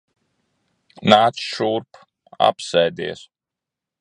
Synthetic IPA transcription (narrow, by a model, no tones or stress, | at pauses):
naːt̪sʃuɾp | a̰psɛjd̪ḭɛs